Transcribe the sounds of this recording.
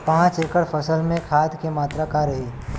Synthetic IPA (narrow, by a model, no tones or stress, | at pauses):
pãːt͡ʃeːkəɽpʰəsəlmẽkʰaːd̪kemaːt̪ɾakaɾɐɦiː